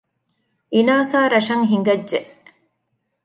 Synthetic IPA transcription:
ʔinaːsaːɾɐʂɐŋɦiŋɡɐdːʒeʔ

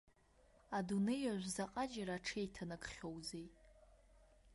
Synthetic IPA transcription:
adune̞jaʒʷzaqʼad͡ʒaɾaːʈ͡ʂʰejtʰanɨkʼχʲo̞wzej

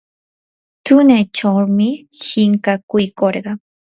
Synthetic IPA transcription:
t̪ʊnajt͡ʃawmɪʃɪŋkakʊjkoɾɢɑŋ

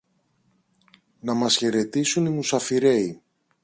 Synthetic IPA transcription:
nɐmɐsçe̞ɾe̞t̪isunimusɐfiɾe̞i

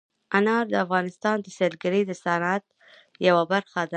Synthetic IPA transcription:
anɑɾd̪əafɣɑnɪst̪ɑnd̪əselɡaɾed̪əsanat̪̚ | jawabaɾxad̪a

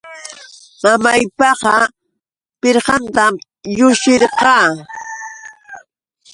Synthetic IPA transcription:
mamajpɑqɑ | pɪɾɢɑnt̪am | jʊʃɪɾqɑː

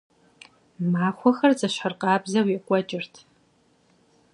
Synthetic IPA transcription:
maːxʷɔxɐrt͡sʼɐʃħarqʼɑːbzɐwɛkʷʼɔt͡ʃʼɪrtʰ

